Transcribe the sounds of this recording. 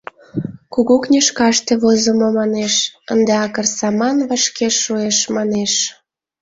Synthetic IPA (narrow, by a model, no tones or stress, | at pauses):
kuɣuknʲeʃkɑʃt̪eβozəmomɑneʃənd̪eɑkərsɑmɑnβəʃkeʃːueʃmɑneʃ